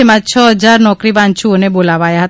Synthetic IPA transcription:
emãt͡ʃʰəɦəd͡ʒaɾnɔkɾibãnt͡ʃʰuonebolaʋajaɦət̪

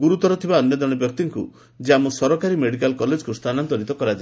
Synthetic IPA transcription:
ɡuɾut̪ɔɾɔt̪ʰibaɔnjɔd̪ɔɽ̃ɔbjɔk̚t̪iŋku | d͡ʒeamusɔɾɔkaɾimeɽikalkɔled͡ʒkust̪ʰanant̪ɔɾit̪ɔkɔɾad͡ʒa

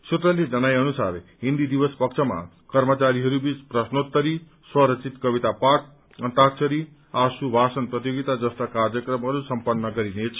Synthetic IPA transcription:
sut̪ɾʌlid͡zʌnajʌnusaɾɦind̪id̪ibʌspʌkt͡ʃʰʌma̰ | kʌɾmʌt͡saɾiɦʌɾubit͡spɾʌsnod̪̚kʌɾi | swʌɾʌt͡sʰit̪kʌbit̪apak̚ | ʌnt̪ak̚t͡ʃʰʌɾi | asubʱasʌnprʌt̪ijoɡit̪ad͡zʌst̪akaɾjʌkɾʌmɦʌɾusʌmpʌnːʌɡʌɾinet͡sʰ

